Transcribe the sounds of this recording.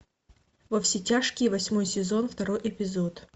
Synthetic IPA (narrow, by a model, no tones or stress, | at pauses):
vɐfsʲɪtʲaʂkʲɪjvɐsʲmo̞jsʲɪzo̞nft̪ɐɾo̞jʔɪpʲɪzot̪